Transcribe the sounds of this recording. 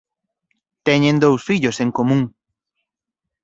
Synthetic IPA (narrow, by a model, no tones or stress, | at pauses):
t̪ɛɲẽnd̪owsfiʎoseŋkomũŋ